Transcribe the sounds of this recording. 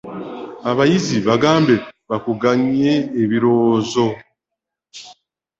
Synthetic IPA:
aβajiziβaɡaːmbe̞βakuɡaɲe̞ːβiɾoːzo̞

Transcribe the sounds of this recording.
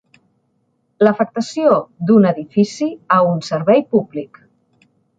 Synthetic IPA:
ləfək̚t̪əsiod̪unəðifisiaunsəɾβɛjpublik

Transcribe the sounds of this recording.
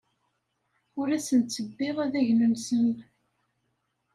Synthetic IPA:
ʊɾæsənt͡sːəbːɪʁæðæʝnənsən

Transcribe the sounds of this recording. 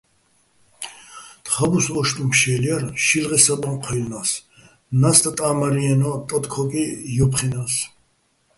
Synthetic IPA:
t̪ʼχabusɔʃt̪ʼumpʃɛliaɾʃilʁɛsat̪ʼɔmqʰɔlnas | nast̪ʼat̪ʼaːmaɾiɛnɔt̪ʼɔt̪kʰɔkʼijɔpʰχinas

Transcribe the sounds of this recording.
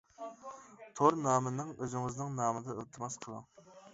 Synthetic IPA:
t̪ʰoɾnɑːmɨnɪŋøzɪŋɪznɪŋnɑːmɨd̪ɑølt̪ʰɨmɑsqʰəlˠɑ̰ŋ

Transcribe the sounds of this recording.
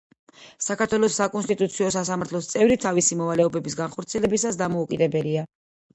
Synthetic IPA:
sakaɾt̪ʰwɛlˠɔsːakʼɔnst̪ʼit̪ʼut̪sʰiɔsasamaɾt̪ʰlɔst̪sʼɛvɾit̪ʰavisimɔvalɛɔbɛbisɡanχɔɾt̪sʰiɛlɛbisasd̪amɔukʼid̪ɛbɛlia

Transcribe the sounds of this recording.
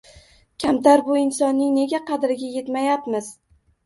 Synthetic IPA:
kʲʰamt̪ʰaɾbʊɪnsɒnːɪŋne̞ɡʲaqʰɑd̪ɾɪɡʲaje̞t̪majapmɪz̥

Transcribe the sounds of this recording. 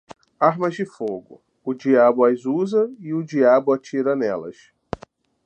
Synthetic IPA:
aɾmɐzd͡ʒɪfoɡʊ̰ | ʊd͡ʒiabʊazuzɐɪʊd͡ʒiabʊat͡ʃiɾɐnɛlɐ̰s

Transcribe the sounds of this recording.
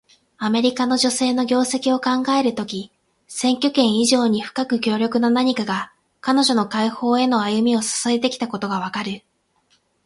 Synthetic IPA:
ame̞ɾʲikano̞ʑo̞se̞ːno̞ɡʲo̞ːse̞kʲio̞kãŋɡae̞ɾɯ̟t̪o̞kʲi | sẽ̞ŋkʲo̞kẽ̞ɰ̃iʑo̞ːɲ̟iɸɯ̟̥kakɯ̟kʲo̞ːɾʲjo̞kɯ̟nonaɲ̟ikaɡa | kano̞ʑo̞no̞kaiho̞ːe̞no̞ajɯ̟mʲio̞sḁsaet̪e̞kʲi̥t̪ako̞t̪o̞ɡaβ̞akaɾɯ̟

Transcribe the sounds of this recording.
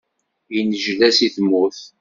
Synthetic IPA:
jinəʒlæsiθmʊθ

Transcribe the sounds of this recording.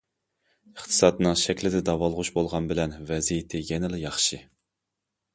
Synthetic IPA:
əχt̪ʰɨ̥sɑd̪nɨŋʃɛkʲlɪd̪ɪd̪ɑvɑlˠʁʊʃbolˠʁɑnbɪlɛnvɛzijit̪ʰɪjɛnɪlɪjɑχʃɨ

